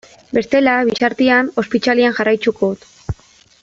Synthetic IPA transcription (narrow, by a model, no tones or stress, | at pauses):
be̞st̪e̞laβ̞isaɾt̪iano̞spit͡ʃaliaŋʝarajt͡ʃukoðut̪